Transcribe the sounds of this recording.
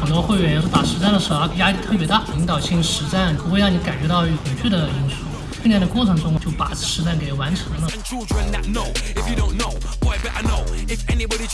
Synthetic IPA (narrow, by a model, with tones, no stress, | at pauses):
xə˨˩nt̪wɔ˥xwe˥˩ɪɥɛ˧˥n˧˥˩ʂp̪a˨˩ʂɻ̩˧˥t͡sa˥˩nd̪ə˩ʂɻ̩˧˥˧ja˥i˧˥t̪ʰɤ˥˩pjt̪a˥˩i˧˥ŋt̪ɑ˨˩ʊɕi˥˩ŋʂɻ̩˧˥t͡sa˥˩nkʰxwe˥˧ɑ˥˩ŋni˧˥ka˨˩nt͡ɕɥɛ˧˥t̪ɑ˥˧ʊy˧˥˩t̪ə˨˩t͡ɕʰy˥˩d̪ə˩i˥nsu˥˩˥ | njɛ˥nd̪ə˨kwɔ˥˩ʈ͡ʂʰɤ˧˥ŋʈ͡ʂʊ˥ŋt͡ɕjo˥˩ʊpa̰˨˩ʂɻ̩˧˥t͡sa˥˩nke˨˩˧wa˧˥nʈ͡ʂʰɤ˧˥ŋlə˧˥˧